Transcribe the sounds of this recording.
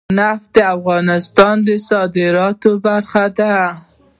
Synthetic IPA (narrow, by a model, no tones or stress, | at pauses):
nafd̪əafɣɑnɪst̪ɑnd̪əsɑd̪ɪɾɑt̪obaɾxad̪a